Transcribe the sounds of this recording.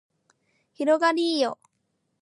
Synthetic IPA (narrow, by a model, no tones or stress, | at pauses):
çiɾoɡaɾʲiːjo̰